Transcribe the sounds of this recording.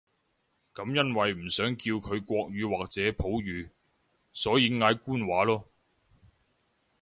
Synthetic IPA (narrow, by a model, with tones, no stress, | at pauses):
kɐ˨˧˥mjɐ˥nwɐ˨jm̩˨˩sœː˨˥ŋkiː˧wkʰɵ˨˧ɥkʷɔː˧k̚ɥyː˨˧waː˨k̚t͡sɛː˨˥pʰo˨˥wjyː˨˧ | sɔː˨˥jiː˨˧ŋaː˨˧jkuː˥nwaː˨˥lɔː˥